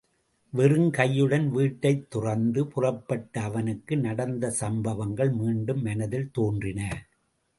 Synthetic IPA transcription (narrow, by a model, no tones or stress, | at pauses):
ʋɛrɯŋkɐjːɯɽɐnʋiːʈːɐɪt̪ːʊrɐnd̪ɯpʊrɐpːɐʈːɐːʋɐnɯkːɯnɐɽɐnd̪ɐsɐmbɐʋɐŋɡɐɭmiːɳɖɯmːɛnɐðɪlt̪oːndrɪnɐ